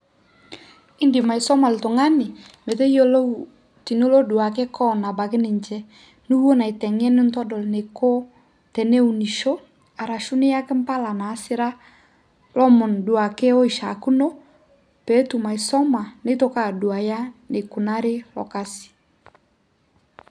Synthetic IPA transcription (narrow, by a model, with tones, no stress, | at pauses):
i˦ndi˨ma˨i˨sɔ˦ma˨lto˨ŋa˦nɪ˨ | me˨tɛ˦ijo˦lo˦ | ti˨nu˦lɔ˦du˨a˨kɛ˦kʰɔ˦na˨ba˨ke˦nɪ˨ɲt͡ʃɛ˦ | nu˦wo˦na˨i˨tɛ˨ŋɛ˦ni˦ntɔ˦dɔ˨lne˨ko˦ | tɛ˨nɛ˦u˨ni˨ʃo˦ | a˨ɾa˨ʃu˦nɪ˦ja˦kɛ˦mpa˦la˨naː˨˦sɪ˦ɾa˦ | lɔ˦mɔ˨ndu˨a˨kɛ˦ɔ˦i˨ʃa̰˨ku˦no˦ | pɛ˨˦tu˨ma˨i˨sɔ˦ma˨ne˦to˦ka˦˨du˨a˨ja˦ne˨ku˨na˦ɾɪ˦lɔ̰˨ka˦si̥˨